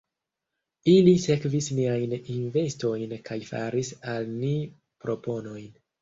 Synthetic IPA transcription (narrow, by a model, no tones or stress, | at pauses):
ilise̞kvisniajninve̞sto̞jnkʰajfa̰ɾisalni | pɾo̞po̞no̞jn